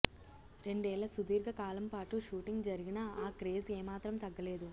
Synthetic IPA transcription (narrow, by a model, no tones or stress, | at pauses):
ɾe̞ɳɖɛːlɐsud̪iːɾɡɐkaːlɐmpaːʈuʃuːʈiŋɡd͡ʒɐɾiɡinɐaːkɾeːzeːmaːt̪ɾɐmt̪ɐɡːɐleːd̪u